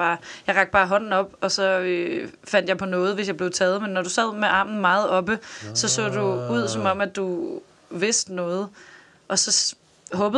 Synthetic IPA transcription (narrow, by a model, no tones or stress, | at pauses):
ɑ̈ːjɑ̈ɪʁɑ̈ɡ̥d̥b̥ɑ̈ːɦɒ̽n̰n̩ɒ̽b̥ɒ̽sɒ̽øfæn̰d̥jɑpʰɒ̽nɔ̽ːð̩ˠʋe̝s̬jɑ̈ɪbleʊt͡sʰɛːð̞̩ˠmenːɒɾ̥usɛð̰ˠmeʔɑ̈mn̩mɑ̈ːð̩ˠɒ̽b̥əsɒ̽sɔ̰ːd̥uuð̞̰ˠsɒ̽mɒ̽m̰æd̥u | ʋe̝sd̥nɔ̽ːð̞̩ˠ | ʔɒ̽sɒ̽ | ɦɔ̽ːb̥ə